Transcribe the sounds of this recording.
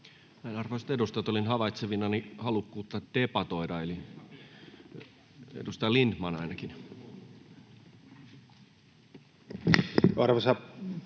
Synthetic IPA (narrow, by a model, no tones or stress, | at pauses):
næˑinɑrʋoise̥t̪edust̪ɑt̪olinɦɑʋɑit̪seʋinɑnihɑlukːuːt̪ːɑt̪d̪epɑt̪oidɑeli | ḛdust̪ɑjlindmɑnɑinɑkin | ɑrʋɑsɑ